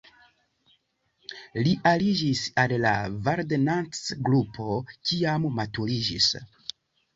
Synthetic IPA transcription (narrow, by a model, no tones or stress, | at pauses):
liʔalid͡ʒisallavaɾdenant͡sɡɾupʰo̞kiammatuɾid͡ʒis